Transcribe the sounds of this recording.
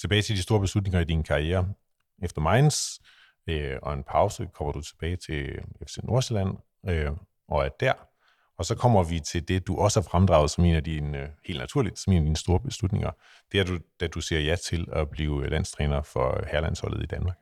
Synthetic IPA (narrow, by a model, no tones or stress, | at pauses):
t͡sʰe̝b̥ɛːɪt͡sʰeld̥isd̥o̝ːɐb̥eslud̥ne̝ŋɐid̥inkʰɑ̈ieːɐ | efd̥ɐmɑ̈ɪns | øɒ̽e̝npʰɑ̈ʊsəkʰɒ̽m̰ɐd̥ut͡sʰe̝b̥ɛːɪt͡sʰe̝efsenʔo̝ɐselæn̰ | ø | ʔɒ̽æɐd̥æɐ̰ | ɒ̽sɒ̽kʰɒ̽m̰ɐʋit͡sʰe̝ld̥e̝d̥uʔɒ̽səhæ̈fʁamd̥ʁɑ̈ʊð̞̩ˠsɒ̽me̝̰ːnæd̥inhe̝ːld̥næt͡sʰuɐlid̥sɒme̝ːnæd̥iːnəsd̥o̝ːɐb̥e̝slud̥ne̝ŋɐ | d̥eæɐdud̥æd̥useɐjæt͡sʰe̝læb̥liːʊlæn̰st͡sʰʁɛːnɐfɒ̽hæɐlæn̰shɒ̽l̰ð̩ˠid̥ænmɑ̈ːɡ̥